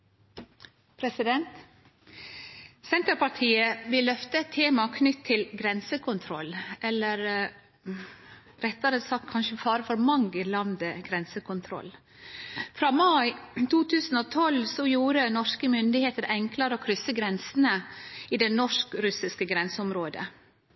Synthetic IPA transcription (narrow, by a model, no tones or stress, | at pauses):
pʰɾɛsɪd̪ɛnt̪ | sɛnt̪əɾpɑʈʰiːəʋɪlːœft̪əɛt̪ʰːeːmɑkʰnʏt̪ʰːɪlɡɾɛnsəkʰʊnt̪ʰɾɔlːʔɛlːəɾ | ɾɛt̪ːɑɾəsɑkt̪kʰɑnʃəfɑːɾəfɔɾmɑŋɡəlɑnd̪əɡɾɛnsəkʰʊnt̪ʰɾɔ̰lː | fɾɑːmɑɪt̪ʰuːt̪ʰʉːsn̩oːt̪ʰɔlsɔjuːɾənɔʂkəmʏnd̪ɪheːt̪əɾɛŋkləɾəoːkʰɾʏsːəɡɾɛnsənəiːd̪ɛnɔʂkɾʉsɪskəɡɾɛnsəʊmɾoːd̪ə̰